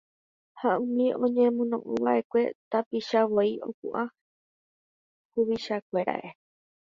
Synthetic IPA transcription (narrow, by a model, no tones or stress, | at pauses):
haũmĩõ̞ɲẽ̞mõnõ̰ʔũʋaʔe̞kʷe̞t̪apiʃawoio̰kṵʔa | huβiʃakʷe̞ɾa̰ʔe̞